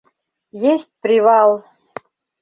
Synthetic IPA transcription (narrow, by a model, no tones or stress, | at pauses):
jesʲtʲpɾʲivɑlˠ